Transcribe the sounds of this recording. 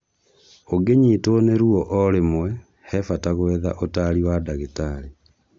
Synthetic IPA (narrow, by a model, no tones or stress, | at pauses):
oɡeɲitoneɾuɔʔɔɾemwɛ | hɛfataɣwɛða̰ʔotaɾiwadaɣetaɾe